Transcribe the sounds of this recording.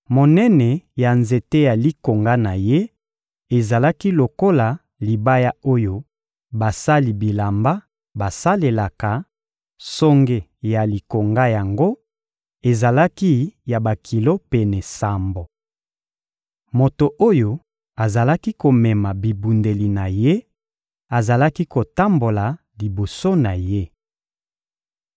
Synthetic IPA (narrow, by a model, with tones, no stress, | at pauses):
mo˨nɛ˦nɛ˨ja˨nze˨te˦ja˨li˦ko˨ŋɡa˦na˨je˦ | e˨za˨la˦ki˦lo˨ko˦la˨ | li˨ba˦ja˦o˦jo˦ | ba˨sa˦li˨bi˨la˨mba˦ | ba˨sa˦le˨la˨ka˨ | so˦ŋɡe˨ja˨li˨ko˨ŋɡa˦ja˨ŋɡo˦ | e˨za˨la˦ki˦ja˨ba˨kʰi˨lo˦pɛ˨nɛ˨sa˨mbo˨ | mo˨to˨ʔo˦jo˦ | a˨za˨la˦ki˦ko˨mɛ˨ma˨bi˨bu˨nde˨li˨na˨je˦ | a˨za˨la˦ki˦ko˨ta˦mbo˨la˨ | li˨bo˨so˦na˨je˦